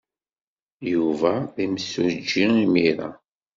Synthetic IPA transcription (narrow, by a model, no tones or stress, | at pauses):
juvæðiməsːuɾd͡ʒːiimiɾa̰